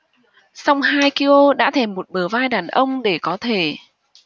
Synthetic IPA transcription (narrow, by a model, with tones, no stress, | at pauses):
sa˧wŋ͡mhaː˧jki˧lo˧ɗa̰ː˧˥t̪ʰe˧˩mːo˨˩t̚ɓəː˧˩vaː˧jɗaː˨˩nʔə˧wŋ͡mɗe˧˩kɔ˨˦t̪ʰe˧˩